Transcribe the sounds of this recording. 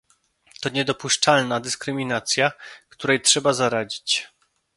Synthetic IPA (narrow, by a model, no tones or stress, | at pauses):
t̪ɔɲɛd̪ɔpuʂt͡ʂalnad̪ɘskɾɘmʲinat̪sʲjakt̪uɾɛjtʂɛbazaɾad͡ʑit͡ɕ